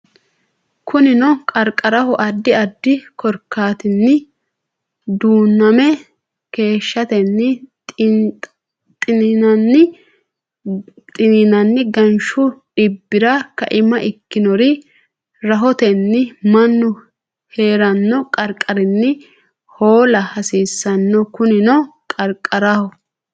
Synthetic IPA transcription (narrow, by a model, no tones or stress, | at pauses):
kʰʊnɪnɔkʼɐɾkʼːɐɾɐhɔʔɐd̪ːɪɐd̪ːɪkʰɔɾkːaːt̪ɪnːɪ | d̪uːnːɐmɛ | ke̞ːʃːɐt̪ɛnːɪ | t̪ʼɪnɪnɐnːɪ | t̪ʼɪnɪnɐnːɪɡɐnʃʊɗɪbːɪɾɐkɐ̰ʔɪmɐʔɪkːɪnɔɾɪ | ɾɐɦɔt̪ɛnːɪmɐnːʊ | he̞ːɾɐnːɔkʼɐɾkʼːɐɾɪnːɪ | ho̞ːlɐhɐsiːsːɐnːɔkʊnɪnɔkʼɐɾkʼːɐɾahɔ